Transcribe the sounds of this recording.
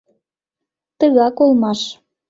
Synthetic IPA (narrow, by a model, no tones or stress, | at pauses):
t̪əɣɑkolmɑʃ